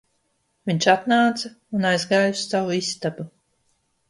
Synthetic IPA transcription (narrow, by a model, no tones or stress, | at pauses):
vʲiɲt͡ʃat̪naːt̪sa | unajzɡaːjust̪ːawuist̪abu